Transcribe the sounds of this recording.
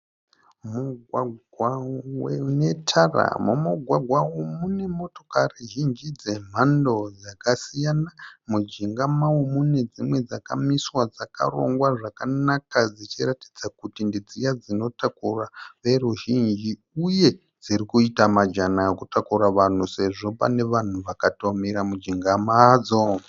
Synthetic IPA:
muɡʱwaɡʱwawene̞tʰara̰mumuɡʱwaɡʱwawumune̞mo̞to̞kariʒind͡ʒid͡ze̞m̤ando̞d͡zakasijanamud͡ʒiŋɡamawumune̞d͡zimwe̞d͡zaka̰miswad͡zaka̰ro̞̰ŋɡwaʐakanakad͡zit͡ʃiratid͡zakutindid͡zijad͡zino̞takuraʋe̞ɾuʒind͡ʒi | uje̞ | d͡ziɾikuitamad͡ʒanakutakuɾaʋan̤use̞ʐo̞pa̰ne̞ʋan̤uʋakato̞miɾamud͡ʒiŋɡamad͡zo

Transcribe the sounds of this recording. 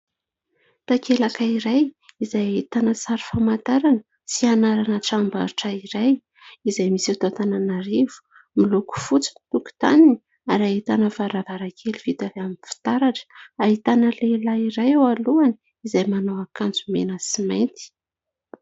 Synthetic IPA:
t̪akelakaiɾajizajait̪anəsaɾi̥famant̪aɾanə | sianaɾanəʈ͡ʂamba̰ɾuʈ͡ʂaiɾaj | izajmisat̪ot̪ananaɾivu̥ | miluku̥fut͡si̥nit̪uku̥t̪anini | aɾait̪anəvaɾavaɾakʰelivit̪aveaminfi̥t̪aɾaʈ͡ʂə̥aɦit̪anəlelaiɾajawaluani | izajmanowakand͡zumenəsimajnt̪i̥

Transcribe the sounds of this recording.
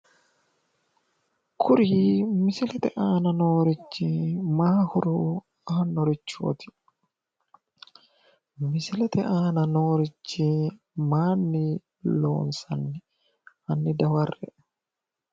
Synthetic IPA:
kʰʊɾimɪsɪlɛt̪ɛʔaːnɐnoːɾɪt͡ʃːɪmaːhʊɾʊ | anːɔɾɪt͡ʃːo̰ːt̪ɪ̥ | mɪsɪlɛt̪ɛʔaːnɐnoːɾɪt͡ʃːɪ | maːnːɪ | lo̰ːnsɐnːɛ | ʔɐnːɪd̪ɐwɐrːɛ

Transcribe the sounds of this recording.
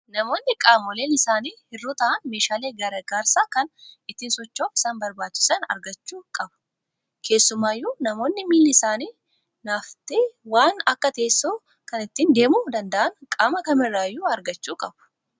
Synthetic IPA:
nɐmo̞ːnːɪkʼaːmoːleːnɪsaːniːhɪrːuːt̪ɐʔɐnme̞ːʃaːleːɡɐɾɐɡaːɾsaːkɐnɪt̪ːiːnsɔt͡ʃːoːfɪ̥saːnbɐɾbaːt͡ʃːɪ̥sɐnɐ̰ɾɡɐt͡ʃːuːkʼɐbɐ̥ | kʰe̞ːsːʊmaːjːuːnɐmo̞ːnːɪmiːlːɪsaːniː | naːft̪ɪwaːnɐkːɐt̪e̞ːsːoː | kɐnɪt̪ːiːnd̪e̞ːmuːd̪ɐnd̪ɐʔɐnkʼaːmɐkɐmɪrːaːjːuːɐɾɡɐt͡ʃːuːkʼɐb̥ʊ̥

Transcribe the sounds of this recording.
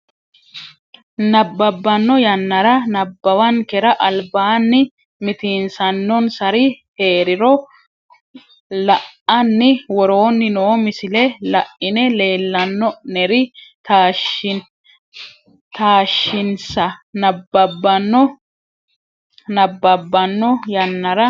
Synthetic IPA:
nɐbːɐbːɐnːɔjɐnːɐɾɐnɐbːɐwɐnkɛɾɐʔɐlbaːnːɪ | mɪt̪iːnsɐnːɔnsɐɾɪhe̞ːɾɪɾɔ | lɐʔɐnːɪwɔɾo̞ːnːɪnoːmɪsɪlɛlɐʔɪnɛle̞ːlːɐnːɔnɛɾɪt̪aːʃ | t̪aːʃːɪnsɐnɐbːɐbːɐnːɔ | nɐbːɐbːɐnːɔjɐnːɐɾɐ

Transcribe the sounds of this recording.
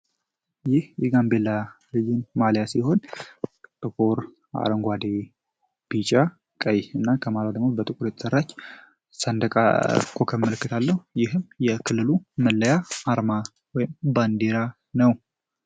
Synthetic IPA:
jɪhjɛɡambelːalɨd͡ʒɪnmaljasiho̞n | t̪ʼɨkʼoɾ | a̰ɾəŋɡʷad̪e | b̥it͡ʃʼa | kʼəjɨnːakʰəmalad̪əɡmobət̪ʼɨkʼuɾjɛt̪ʰə̥sərːat͡ʃː | sənd̪əkʼa̰kʰokʰəməlɨkːɨt̪ʰalːəhujɪɦɨmjɛkʰɨlːɨluməlːəjaaɾma | wɔjɪmband̪eɾa | nəw

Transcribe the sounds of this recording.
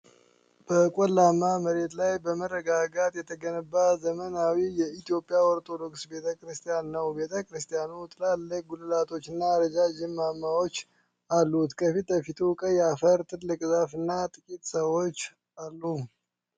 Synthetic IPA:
b̥əkʼolːamːaməɾe̞t̪lajbəmərːəɡaɡat̪ʼjɛt̪ʰəɡənəbːazəmənawijɛit̪ʰijo̞pʼːijawɔɾt̪ʰʼod̪o̞ksbe̞t̪ʰəkɾɨst̪ʰʼijanːəwbe̞t̪ʰəkɾɨst̪ʰʼijanut̪ʼɨlalːək̚ɡulɨlat̪ʰo̞t͡ʃːɨnːaɾəd͡ʒad͡ʒɪmːamːawo̞t͡ʃː | alːut̪kʰəfit̪əfit̪ʰukʼəjɛafəɾt̪ʰɨlɨkʼzafɨnːat̪ʼɨkʼit̪ʼsəwo̞t͡ʃː | alːu

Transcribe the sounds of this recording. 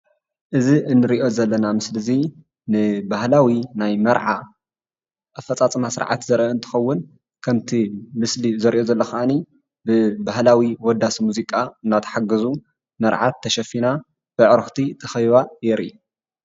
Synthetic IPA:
ʔɨziʔɨnːɨɾiʔo̞zɐlːɐnamɨslɨzi | nɨbaɦlawinajmɐɾʕa | ɐfɐt͡sʼat͡sʼɐmasɨ̰ɾʕa̰t̪zɐɾʔoɨnt̪ʰɨ̥xɐwːʊn | kʰɐmt̪ʰimɨslizɐɾʔo̞zɐlːɐxɐʔani | bɨbahlawiwɔd̪ːasimuzikʼaɨnːat̪ʰɐ̥ħaɡɐzu | mɐɾʕa̰t̪ʰːɐʃɐfina | b̥ɨʕɾɨxt̪ʰit̪ʰɐxɐjβajɛɾi

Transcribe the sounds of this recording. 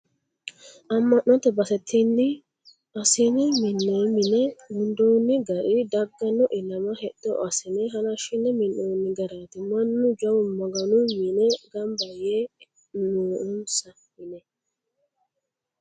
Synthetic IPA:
ʔɐmːɐnːɔt̪ɛbɐsɛt̪ʰːinːɪ | ɐsɪnɪmɪnːeːmɪnɛwʊnd̪oːnːɪɡɐɾɪd̪ɐɡːɐnɔʔɪlɐmɐhɛd̥ːɔ̰ɐsɪnɛɦɐlɐʃɪnːɛmɪnːoːnːɪɡɐɾaːt̪ɪmɐnːʊd͡ʒɐwʊmɔɡɐnʊmɪnɛɡɐmbɐjeː | noːʔʊnsɐ | mɪnɛ

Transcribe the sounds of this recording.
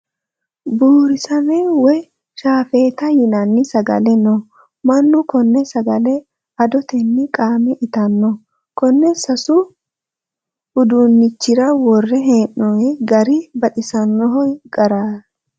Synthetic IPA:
buːɾɪsɐnɛwɔj | ʃaːfeːt̪ɐjɪnɐnːɪsɐɡɐ̰lɛnɔ | mɐnːʊkɔnːɛsɐɡɐlɛ | ɐd̪ɔt̪ɛnːɪkʼaːmɛʔɪt̪ɐnːɔ | kɔnːɛsɐsʊ | hʊd̪unːɪt͡ʃːɪɾɐwɔrːɛɦeːnːɔɛɡɐɾɪbɐɗɪsɐnːɔɦɔɡɐɾaː

